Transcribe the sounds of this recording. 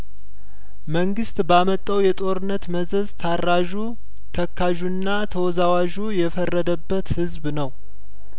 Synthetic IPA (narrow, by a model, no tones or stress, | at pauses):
məŋɡɨst̪bamət̪ʼːəwjɛt̪ʼo̞ɾɨnːət̪məzəzt̪ʰarːaʒu | t̪ʰəkʰːaʒunːat̪ʰəwɔzawaʒujɛfərːəd̪əbːət̪hɨzbnəw